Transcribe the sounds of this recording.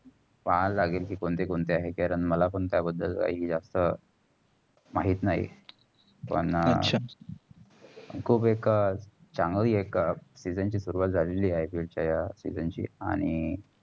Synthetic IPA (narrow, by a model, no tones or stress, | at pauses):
ʋalaɡeːlkiːkoɳt̪ekoɳt̪eaɦekaɾəɳməlapəɳt̪jabəd̪ʱːəlka̰iɦiːd͡zast̪ə | maɦiːt̪naɦḭ | pə̰ɳəɕʰa | kʰuːbekt͡saŋɡəɭiːeksid͡zənt͡ɕiːsuɾuʋat̪̚d͡zʱaleliːaɦefilt͡ɕjajasḭd͡zənt͡ɕḭːa̰ɽ̃i